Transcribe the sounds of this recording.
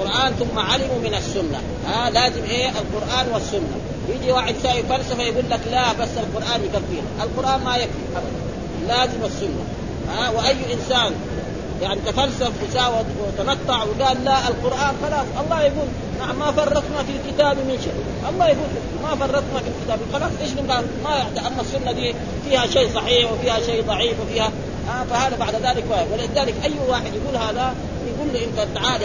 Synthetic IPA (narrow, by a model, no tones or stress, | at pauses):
qʊɾˤʔaːnθʊmːaʕalimumɪnasːʊnːa̰ | halaːzimʔeːʔalqʊɾʔaːnwasːʊnːa̰ | jid̪iwaːħɪd̪saːʔjfalsafajaɡuːlːaklabasːalqʊɾˤʔaːnjkaθːiːɾʔalqʊɾʔaːnmajakfḭʔabad̪an | laːzimasːʊnːa̰ | hawɪʔajːʔinsaːn | jaʕnit̪afalsafwisaːwad̪wt̪ɑnɑt̪ˤːɑʕwiɡaːlːaʔalqʊɾʔaːnxɑlɑːsˤʔɑlˤːɑːjaɡuːl | naʕamːafɑrˤːɑt̪ˤnafilkɪt̪aːbimɪnʃaʔ | ʔɑlˤːɑːhjafuːt̪la | mafɑrˤːɑt̪ˤnafilkɪt̪aːbilxɑlɑːsˤʔeʃlɪmbaːd | majaʕt̪aʔamːasːunːad̪iː | fiːhaʃeːsˤɑħiːħwɪfiːhaʃeːd̪ˤɑʕiːfwɪfiːha | afahaːðabaʕd̪ðaːlikwawalɪðaːlikʔajːwaːħɪd̪jaɡuːlhaːða | jaɡuːlːuʔɪnt̪at̪ʕaːli